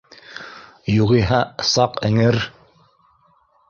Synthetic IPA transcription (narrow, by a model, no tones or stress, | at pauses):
juʁiɦɑsɑqɘ̆ŋɘɾ